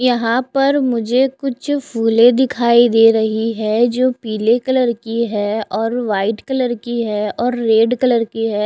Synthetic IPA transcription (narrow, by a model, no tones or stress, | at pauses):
jɐɦãpɐɾmʊd͡ʒʱekʊt͡ʃʰpʰuːlẽd̪ɪkʰaːid̪eːɾɐɦiɦɛd͡ʒoːpiːlekɐləɾkiɦɛːɔːɾʋaːɪʈkələɾkiɦɛːɔːɾːeːɖkɐləɾkiɦɛː